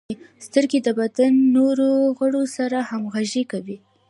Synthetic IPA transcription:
st̪əɾɡed̪əbad̪anːoɾoɣəɽosaɾahamɣaʒekawi

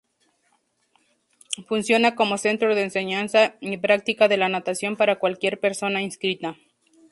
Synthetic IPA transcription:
funsjo̞nako̞mo̞se̞nt̪ɾo̞ðe̞ːnse̞ɲansaipɾak̚t̪ikaðe̞lanat̪asjo̞mpaɾakwalkje̞ɾpe̞ɾso̞nainskɾit̪a

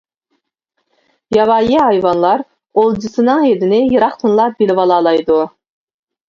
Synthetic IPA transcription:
jɑvɑːjiɦɑjvɑnlˠɑɾ | olˠd͡ʒɨsɨnɨŋed̪ɪnɪjɯɾɑχt̪ʰɨnlˠɑbilvɑlˠɑlˠɑjd̪u

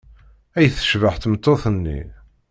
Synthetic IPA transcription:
æjθə̥ʃvəħθmət̪ˤːoθənːḭ

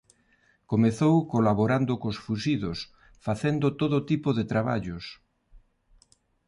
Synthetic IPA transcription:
komeθowkolaβoɾand̪ʊkosfusiðos | faθend̪ʊt̪oðot̪ipoðet̪ɾaβa̰ʎʊs

